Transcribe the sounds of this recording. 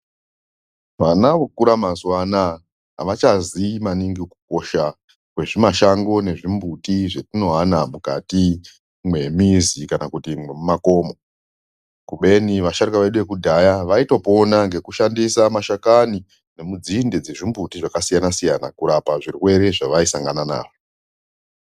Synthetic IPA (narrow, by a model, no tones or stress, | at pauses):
ʋanaʋokuɾamazwana | ɦa̰ʋat͡ʃazimaniŋɡiku̥k̚o̞ʃa | kwe̞ʐimaʃaŋɡo̞ne̞ʐimbutiʐetino̞ɦanamukati | mwe̞mizikanakutimwemumako̞ːmo̞ | kuɓe̞niʋaʃarikaʋeɗuʋe̞kudʱajaʋaito̞po̞naŋɡe̞kuʃandisamaʃakani | ne̞mud͡zinded͡ze̞ʐimbutiʐakasijanasijana̰kuɾapaʐirwe̞ɾe̞ʐaʋaisaŋɡanana̰ːwo